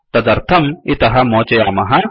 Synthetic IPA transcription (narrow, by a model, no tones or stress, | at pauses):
t̪ɐd̪ɐɾt̪ʰɐmit̪ɐɦɐmɔːt͡ʃejamɐɦɐ